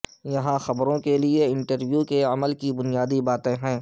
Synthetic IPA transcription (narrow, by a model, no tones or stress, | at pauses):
jɐɦãxɐbɾõkelieɪ̃ɳʈəɾʋjukeɐməlkibʊnijaːd̪ibaːt̪ẽɦɛ̃ː